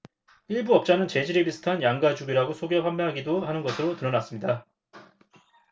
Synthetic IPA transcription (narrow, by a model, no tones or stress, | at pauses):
iɭbuʌp̚t͡ɕ͈anɯnt͡ɕe̞d͡ʑiɾibisʰɯ̥tʰanjaŋɡad͡ʑuɡiɾaɡosʰoɡepʰammjʌɦaɡidoɦanɯnɡʌsʰɯɾotɯɾʌnas͈ɯmɲida